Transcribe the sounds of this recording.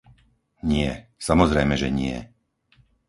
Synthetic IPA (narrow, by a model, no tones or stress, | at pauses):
ɲɪɛ̰samɔzɾɛjmɛʒɛɲɪɛ̰